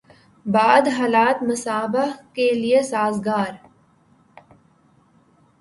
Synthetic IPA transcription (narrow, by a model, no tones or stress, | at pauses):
baːd̪ɦaːlaːt̪mʊsaːbəɦkeliesaːzɡaːɾ